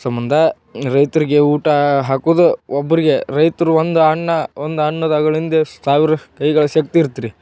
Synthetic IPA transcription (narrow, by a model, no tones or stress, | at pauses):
sɐmbɐnd̪ʱɐ | ɾɐjt̪ɐɾiɡe̞uːʈɐɦaːkuːd̪uobːɐɾiɡe̞ɾɐjt̪ɐɾuʋond̪uɐɳːɐond̪uɐɳːɐd̪ɐɡɐɭind̪esaːʋiɾɐkɐjɡɐɭɐʃɐk̚t̪iːɾt̪iɾi